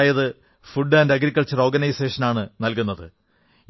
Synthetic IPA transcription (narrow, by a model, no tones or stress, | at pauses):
jɐðɨ | fuɖːaːndɐɡɾikːɐlt͡ɕɐro̞ːrɡɐnɐjse̞ːʂɐnaːɳɨnɐlkunːɐðɨ